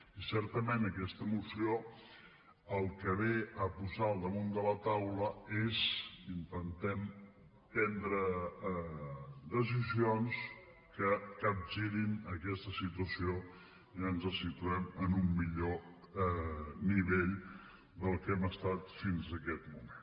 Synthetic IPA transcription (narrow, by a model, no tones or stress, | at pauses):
isɛɾt̪əmenəkɛst̪əmusio | əlˠkəβeəpuzalˠd̪əmund̪ələt̪awləezint̪ənt̪ɛm | pɛnd̪ɾə | d̪əs̬izions | kəkab̚ʒiɾinəkɛst̪əsit̪uəsio | iənzəsit̪uɛmənumːiʎo | niβeʎ | d̪əlˠkɛməst̪at̪finzəkɛt̪mumen